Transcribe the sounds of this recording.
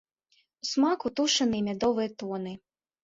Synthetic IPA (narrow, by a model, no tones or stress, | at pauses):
usmakut̪uʂɐnɨmʲad̪ɔvɨjɐt̪ɔnɨ